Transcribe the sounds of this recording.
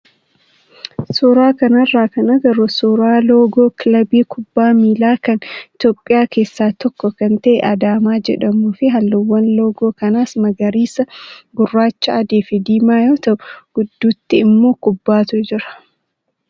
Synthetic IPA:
suːɾaːkɐnɐrːaːkɐnɐɡɐɾʊsuːɾaːloːɡoːklɐbiːkʰʊbːaːmiːlaːkɐnɪt̪joːpʼːɪjaːke̞ːsːaːt̪ɔkːɔkɐnt̪ɐʔɛʔɐd̪aːmaːd͡ʒɛ̰ᶑɐmuːfɪɦɐlːʊwːɐnlo̞ːɡoːkɐnaːsmɐɡɐɾiːsɐɡʊrːaːt͡ʃːɐɐd̪eːfɪd̪iːmaːjoːt̪ɐʔʊɡ̥ʊd̪ːuːt̪ːɪɪmːo̞ːkʊbːaːt̪ʊd͡ʒɪɾɐ̥

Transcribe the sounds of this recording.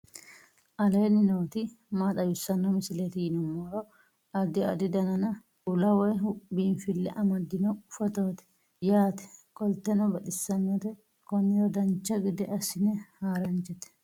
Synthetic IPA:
ʔɐleːnɪnoːt̪ɪ | maːt̪ʼɐjʊsːɐnɔmɪsɪlet̪ɪjɪnɔmːɔɾɔ | ɐd̪ɪɐ̰d̪ɪd̪ɐnɐnɐ | ʊlɐwɔɦʊpbiːnfɪlːɛ̰ʔɐmɐd̪ɪnɔʊfɐt̪oːt̪ɛ̥ | jaːt̪ɛ̥kʼɔlt̪ɛnɔbɐᶑ̪ɪsːɐnːɛt̪ɛ | kɔnːɪɾɔd̪ɐnt͡ʃːɐɡɪd̪ɛʔɐsɪnɛhaːɾɐnt͡ʃɛt̪ɛ̥

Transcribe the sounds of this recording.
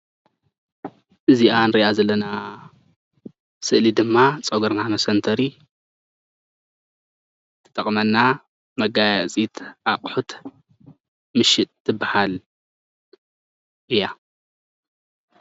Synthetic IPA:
ʔɨziʔanɾiʔazɐlːɐna | sɨʔlid̪ɨmːat͡sʼɐɡɐɾnamɐsɐnt̪ʰɐɾi | t̪ʰɨ̥t̪ʼɐχʼmɐnːa | mɐɡajat͡sʼit̪aqʼħut̪ʰ | mɨʃɪt̪ʰːɨbːahal | ʔɨja

